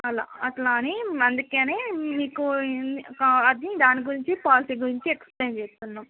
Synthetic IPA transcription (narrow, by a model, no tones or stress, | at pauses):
ɐla̰ːɐʈlaːniɐnd̪ukeːneːmiːku | ɐd̪nid̪aːniɡuɾiɲt͡ʃipaːliʈiːɡuɾiɲt͡ʃiekspleːnt͡ʃeːst̪unːaːm